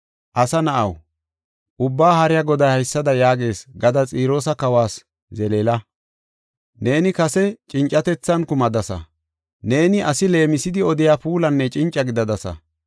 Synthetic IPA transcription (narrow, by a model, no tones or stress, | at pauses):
ʔɐsɐnɐʔɐ̰w | ʔʊbːaːhɐɾɪjɐɡɔd̪ɐjhɐjsːɐd̪ɐjaːɡe̞ːsɡɐd̪ɐt͡sʼiːɾo̞ːsɐkɐwaːs | zɛleːlɐ | neːnɪkɐsɛt͡ʃʼɪnt͡ʃʼːɐt̪ɛt͡sːɐnkʊmɐd̪ɐsɐ̰ | ne̞ːnɪʔɐsɪle̞ːmɪsɪd̪ɪɔd̪ɪjaːpuːlɐnːɛt͡ʃʼɪnt͡ʃʼːɐɡɪd̪ɐd̪ɐsɐ̰